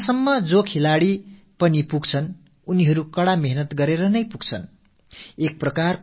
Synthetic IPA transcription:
sʌmːʌd͡zokʰelaɽi | pʌnipuɡt͡sʰʌn | uniɦʌɾukʌɽameɦnʌt̪ɡʌɾeɾʌnʌjpuɡ̚t͡sʰʌ̰n | ek̚prʌkar

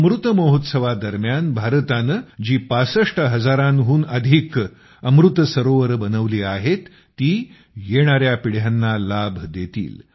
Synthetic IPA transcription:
əmɾut̪məɦot̪səʋad̪əɾmjanbʱaɾt̪and͡ʑiːpasəʂʈʰəɦəd͡zaɾanɦuːnəd̪ʱik | əmɾut̪əsəɾoʋəɾbənəʋliːaɦet̪ː | iː | jeɽ̃aɾjapiɽ̤janːalabʱd̪et̪ḭːl

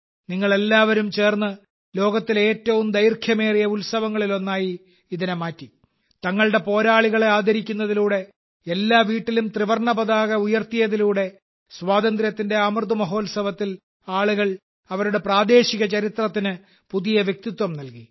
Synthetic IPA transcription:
niŋːɐɭe̞lːaːʋɐɾumt͡ɕe̞ːrnːɨ | lo̞ːɡɐt̪ːile̞ːtːɐʋumd̪ɐjrkʰjɐme̞ːrijɐulsɐʋɐŋːɐɭilo̞nːaːjiː | ðinemaːtːi | t̪ɐŋːɐɭɽe̞po̞ːɾaːɭiɣɐɭeaːd̪ɐɾikʲːunːɐðiluːɽe̞ː | lːaːʋiːʈːilumt̪riʋɐrɳɐbɐðaːɣɐujɐrt̪ijɐðiluːɽe̞ | sʋaːd̪ɐnd̪ɾjɐt̪ːinde̞amrd̪umɐɦo̞ːlsɐʋɐt̪ːil | aːɭuɣɐɭ | ɐʋɐɾuɽe̞praːd̪e̞ːɕiɣɐt͡ɕɐɾit̪rɐt̪ːinɨ | puðijɐʋjek̚t̪it̪wɐmnɐlki

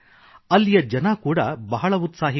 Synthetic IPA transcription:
ɐlːijɐd͡ʒɐnɐkuːɽɐbɐɦɐɭɐut̪saːɦi

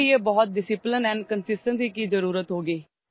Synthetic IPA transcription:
ieːbɔːɔt̪̚ɖɪsɪplənɛ̃ːnɖkənsɪsʈənsiːkiːzəɾuːɾət̪ɦoːɡiː

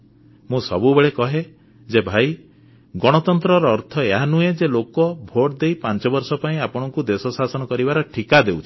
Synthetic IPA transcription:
mũsɔbubeɭekɔɦe | d͡ʒebʱaj | ɡɔɽ̃ɔt̪ɔnt̪ɾɔɾɔːɾt̪ʰɔeɦanued͡ʒelokɔbʱoʈd̪ejpant͡ʃɔbɔɾsɔpaĩapɔɽ̃ɔŋkud̪esɔsasɔnɔkɔɾibaɾɔʈʰikad̪ewt͡ʃʰi̥

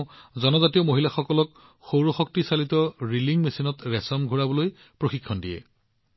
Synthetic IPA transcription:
zɔnɔzatijɔmoɦilaxɔkɔlɔk | xowɹɔxɔk̚tisalitɔɹiliŋmesinɔtɹɛsɔmɡʱuɹabɔloj | pɹoxikʰːɔndijɛ̰

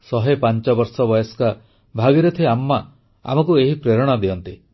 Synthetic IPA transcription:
sɔɦepant͡ʃɔbɔɾsɔbɔjɔska | bʱaɡiɾet̪ʰieamːa | a̰mɔkueɦipɾeɾɔɽ̃ɔd̪iɔnt̪i

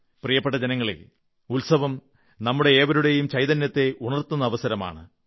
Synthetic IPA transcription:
prijɐpːeʈːɐd͡ʑenɐŋːɐɭḛ | ulsɐʋɐm | nɐmːuɽe̞ːʋɐɾuɽe̞jumt͡ɕɐjðɐnjɐt̪ːe̞ʔuɳɐrt̪unːɐːʋɐsɐɾɐma̰ːɳɨ

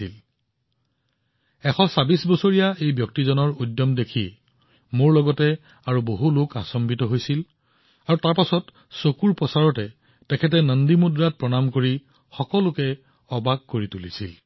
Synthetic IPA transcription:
il | ɛxʰɔsabisbɔsoɹijaejbjɔk̚tizɔnɔɹudːjɔmdekʰiɛ | moɹlɔɡɔtɛ | aɹuboɦuloka̰sɔmbitɔɦojsil | aɹutaɹpasɔt | sokuɹpɔsaɹɔtɛ | tɛkʰɛtɛnəndimudɹat̚pɹɔnamkoɹi | xɔkɔlʊkɛ | ɔbaɡ̚koɹitulisḭl

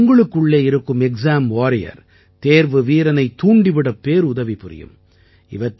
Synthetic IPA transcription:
ŋɡɐɭɯkːɯɭːeːɪɾɯkːɯmɛksaːmaːɾɪjɐ̰ɾ | t̪eːɾʋɯʋiːɾɐnɐɪt̪ːuːɳɖɪʋɪɽɐpːeːɾʊðɐʋipɪɾɪ̰jɯ̰m | ɪ̰ʋɐʈː

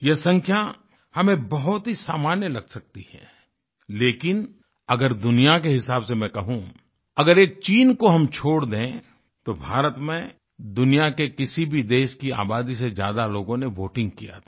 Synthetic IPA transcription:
jesɐ̃ŋkʰja | hɐmẽbɐɦʊt̪ɦisaːmaːnjəlɐɡsɐk̚t̪ihɛ̰ː | leːkɪn | ɐɡəɾd̪ʊnijakeɦɪsaːbsemɛ̃kɐɦũ | ɐɡəɾeːk̚t͡ʃiːnkoɦɐmt͡ʃʰoːɽd̪ẽ | t̪obʱaːɾət̪mẽ | d̪ʊnijakekɪsibʱid̪eːʃkia̰ːbaːd̪isezja̰ːd̪aloːɡõneʋoːʈɪ̃ŋɡ̚kija̰t̪ʰa

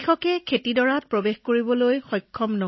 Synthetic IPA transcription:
xɔkɛkʰetidɔɹat̚pɹobexkoɹibɔlojxɔjkʰːɔmnɔ

